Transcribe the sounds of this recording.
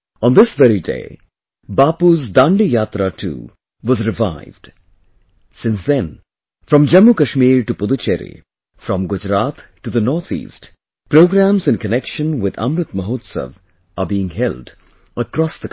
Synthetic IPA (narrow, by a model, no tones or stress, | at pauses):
ɔ̃nd̪ɪsvɛɾidḛɪ | bapuzd̪ãɳɖijat̪ɾatʰṵː | wɔzɾɪvaɪvɖ̥ | sɪ̃nsðɛ̃n | fɾʌ̃md͡ʒʌmːukəʃmiːɾʈupʊd̪ut͡ʃeɾḭ | fɾʌ̃mɡʊd͡ʒɾat̪ʈuðənɔɾt̪ʰḭːst | pɾoʊɡɾæ̃mzɨ̃nkənɛkʃə̃nwɪða̰mɾɨt̪məɦoːt̪sə̰v | əbiɪ̃ŋɦɛld | əkɾɔsðək